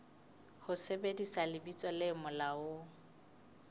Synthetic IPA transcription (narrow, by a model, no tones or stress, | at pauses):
hʊsebedisalɪbit͡sʼɔlɪmʊlaʊ